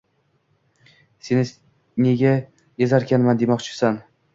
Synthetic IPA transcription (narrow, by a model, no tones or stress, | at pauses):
se̞nɪ | neɡʲa | jezaɾkʲanmand̪emɒqt͡ʃʰɪ̥san